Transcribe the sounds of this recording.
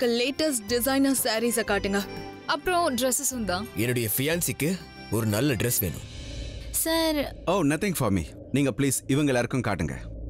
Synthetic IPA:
kɐleːʈɐsʈ̚ɖɪsaɪnɐsaːɾiːsɐːkaːʈːɯŋɡɐɐpːɾõɖɾɛsɪsɐnd̪ãːɛnːɯɽɐjɐfɪjaːnsɪkːɯ | ɔɾɯnɐlːɐɖɾɛsʋḛːnɯ̰̃msɐːɾoːnɐt̪ɪ̃ŋɡfɔːɾmḭː | niːŋɡɐpliːsɪʋɐŋɡɐɭɐɾɯkːɯmka̰ːʈːɯŋɡɐ̰

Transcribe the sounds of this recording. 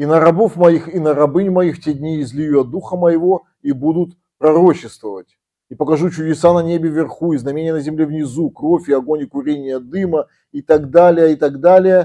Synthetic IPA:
inəɾɐbofmɐjixinəɾɐbɨnʲmɐjixtʲedʲnʲiːzʲlʲɪjuɐd̪uxəməjɪvo̞ | ibud̪ʊt̪ | pɾɐɾo̞t͡ɕɪst̪vəvətʲ | ipəkɐʐut͡ɕʊdʲɪsanɐnʲebʲɪvʲɪrxuiznɐmʲenʲɪjənəzʲɪmlʲevnʲɪzukro̞fʲɪɐɡo̞nʲɪkʊɾʲenʲɪjəd̪ɨmə | it̪aɡd̪alʲɪjəit̪aɡd̪alʲɪjə

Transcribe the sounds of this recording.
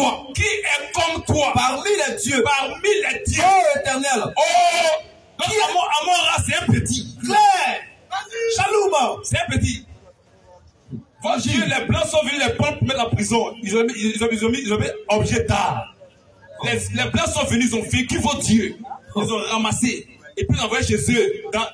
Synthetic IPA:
wakiɛkɔmt̪wapaʁmilɛd̪jøpaʁmilɛd̪jøoet̪ɛʁnɛlo | amɔʔamɔ̃ʁasɛɛ̃pøt̪iɛ | ʃalumãsɛɛ̃pøt̪i | vɔdølɛblɑ̃sɔ̃vønylɛpɔ̃npumɛt̪ãpʁizɔ̃izɔ̃iizɔ̃izɔ̃miizɔ̃miɔbʒɛt̪aː | lɛlɛblãsɔ̃vønyizɔ̃vɛ̃kyvotd̪jøilzɔ̃ʁamaseepizãvajeʃezød̪ã

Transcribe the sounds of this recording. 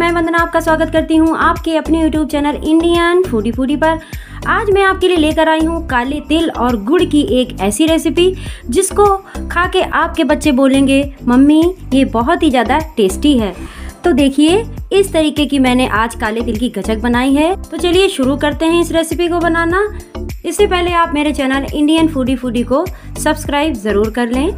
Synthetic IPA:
mɛ̃ːbɐ̃nd̪naaːp̚kaswaːɡət̪kɐɾt̪iɦũʔaːpkeɐpnijuːʈjuːbt͡ʃɛːnəlɪ̃ɳɖijənfuːɖifuːɖipɐɾ | aːd͡ʒmɛ̃aːp̚kelieleːkəɾaːiɦũkaːlet̪ɪlɔːɾɡʊɽkiʔeːkɛːsiɾɛːsɪpid͡ʒɪskokʰaːkeʔaːp̚kebɐtːʃeboːlẽːŋɡemɐmːijebɔɦʊt̪ɦizjaːd̪aʈeːsʈiɦɛːt̪oːd̪eːkʰieɪst̪ɐɾiːkekimɛ̃ːneʔaːd͡ʒkaːlet̪ɪlkiɡʱɐt͡ʃək̚bɐnaːiɦɛt̪ot͡ʃɐlieʃʊɾukɐɾt̪eɦɛ̃ɪsɾeːsɪpikobɐnaːnaɪsːepɛɦleaːpmeːɾet͡ʃɛːnəlɪ̰̃ɳɖijənfuːɖifuːɖiko | sɐbskɾaːɪbzɐɾuːɾkɐɾlẽː

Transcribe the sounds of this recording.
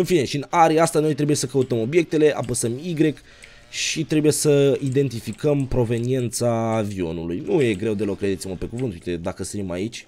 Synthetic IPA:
ɨnfine̞ʃiɨnaɾiast̪ano̞jt̪ɾe̞bujesəkəut̪əmo̞bje̞k̚t̪e̞le̞ʔa̰pəsəmiɡɾe̞k | ʃit̪ɾe̞buje̞səid̪e̞nt̪ifikəmpɾo̞ve̞nie̞nt̪saːvio̞̰nulujnuje̞ɡɾe̞wd̪elo̞kɾed̪et̪siməpe̞kuvɨnt̪uijt̪ed̪akəst̪ɾima̰it͡ʃʲ

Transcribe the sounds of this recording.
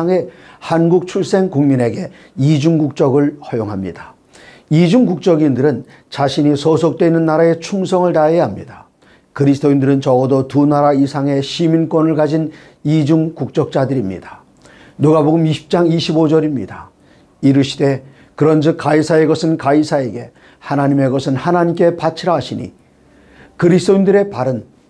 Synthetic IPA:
ŋe̞hanɡuk̚t͡ɕʰuɭs͈e̞ŋkuŋmine̞ɡe̞ | id͡ʑuŋɡuk̚t͡ɕ͈ʌɡɯɭhʌjoŋɦamɲḭd̥ḁ | id͡ʑuŋkuk̚t͡ɕ͈ʌɡindɯɾɯn | t͡ɕaɕʰiɲisʰʌsʰok̚t͈we̞inːɯnːaɾae̞t͡ɕʰumsʰʌŋɯɭtaejaɦamɲḭda | kɯɾisʰɯ̥t͈oindɯɾɯnt͡ɕʌʌdotunaɾaisʰaŋe̞ɕʰimink͈wʌnɯɭkad͡ʑin | id͡ʑuŋkuk̚t͡ɕ͈ʌk̚t͡ɕ͈adɯɾimɲḭda | nuɡaboɡɯmiɕʰi̥p̚t͡ɕ͈aŋiɕʰibod͡ʑʌɾimɲḭda | iɾɯɕʰi̥de̞ | kɯɾʌnd͡ʑɯk̚k͈aisʰae̞ɡʌsʰɯnkaisʰae̞ɡe̞ | hanaɲime̞ɡʌsʰɯnhanaɲimk͈e̞pat͡ɕʰiɾʌɦaɕʰiɲḭ | kɯɾisʰtoindɯɾe̞paɾɯn

